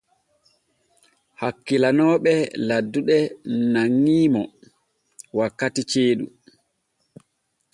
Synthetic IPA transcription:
hakːilanɔːɓɛladːuɗɛnaŋːiːmɔ | wakːatit͡ʃeːɗu

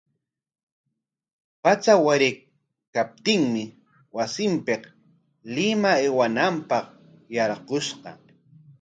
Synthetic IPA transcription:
pat͡sawaɾɪ | kap̚t̪ɪŋmɪ | wasɪmpeq | lɪmaewanampɑq | jɑɾqoʃqɑ̰

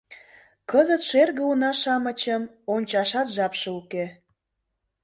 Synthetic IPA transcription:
kəzət̪ʃerɣəunɑʃɑmə̆t͡ɕəm | onʲt͡ɕɑʃɑt̪ʒɑpʃeuke

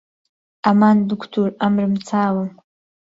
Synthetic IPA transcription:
amanbɨkʷʰtʰuramrɨmt͡sʰaːwam

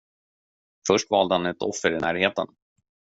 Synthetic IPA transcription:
fœʂʈvɑːld̪əhanɛt̪ʰɔ̰fːəɾɪnæːɾheːt̪ə̰n

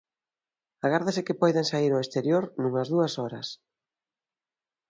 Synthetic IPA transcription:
aɣ̞aɾðasɪkɪpɔjðaŋsaiɾoest̪eɾjoɾnũŋɐzðuɐsɔɾɐs

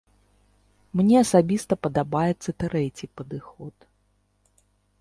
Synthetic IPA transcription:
mnʲɛɐsabʲist̪ɐpɐd̪abajɛt̪sːɐt̪ɾɛt͡sʲipɐd̪ɨxɔt̪

